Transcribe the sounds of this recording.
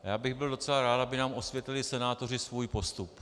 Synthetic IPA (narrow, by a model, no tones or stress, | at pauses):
jaːbɪɣbɪldo̞t͡sɛlaɾaːt̪abɪnaːmo̞svjɛt̪lɪlɪsɛnaːt̪o̞r̝ɪsvuːjpo̞st̪up